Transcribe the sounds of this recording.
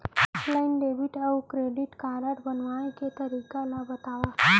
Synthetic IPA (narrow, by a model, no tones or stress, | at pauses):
ɔplainɖebiʈaukɾeɖiʈkaɾaʈbənʋaɽ̃ẽket̪əɾikalabət̪aʋa